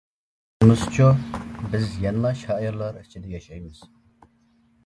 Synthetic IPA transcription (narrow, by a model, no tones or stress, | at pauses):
must͡ʃʰubɪzjɑnlˠɑʃhɑːiɾlˠɑɾit͡ʃʰɪd̪ɛjɑʃɑjmɨz̥